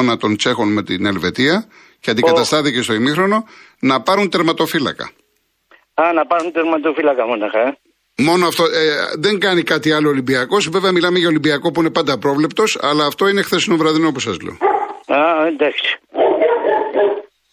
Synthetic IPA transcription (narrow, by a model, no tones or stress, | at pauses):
nɐt̪o̞nt͡se̞xo̞nme̞t̪ḭne̞lve̞t̪iɐ | ceɐnd̪ikɐt̪ɐst̪ɐθice̞st̪o̞imixɾo̞no̞nɐpɐɾunt̪e̞ɾmɐt̪o̞filɐ̰kɐ̰ | ɐnɐpɐɾunt̪eɾmɐt̪ofilɐkɐmonɐxɐe | mo̞noɐft̪o̞eðe̞ŋɡɐnikɐt̪iɐlo̞ːlimbiɐko̞sve̞veɐmilɐme̞ʝɐolimbiɐko̞puine̞pɐnd̪ɐpɾo̞vle̞pt̪o̞sɐ̰lɐːft̪o̞inexθe̞sinovɾɐðinopusɐzlḛoad̪ɐksi̥